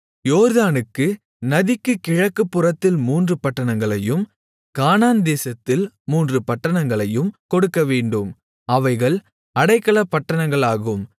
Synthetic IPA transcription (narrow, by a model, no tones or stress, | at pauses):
joːɾðaːnɯkːɯ | nɐðɪkːɯkɪɻɐkːɯpːɯrɐt̪ːɪlmuːndrɯpɐʈːɐɳɐŋɡɐɭɐjɯm | kaːnaːnd̪eːsɐt̪ːɪl | muːndrɯpɐʈːɐɳɐŋɡɐɭɐjɯmkɔɽɯkːɐʋeːɳɖɯm | ɐʋɐɪɣɐɭ | ɐɽɐɪkːɐɭɐpːɐʈːɐɳɐŋɡɐɭaːɣɯm